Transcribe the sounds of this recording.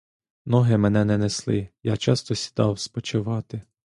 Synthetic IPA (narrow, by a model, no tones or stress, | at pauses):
nɔɦɪmɛnɛnɛneslˠɪ̰jɑt͡ʃɑst̪ɔsʲi̥d̪ɑwspɔt͡ʃɪʋɑt̪ɪ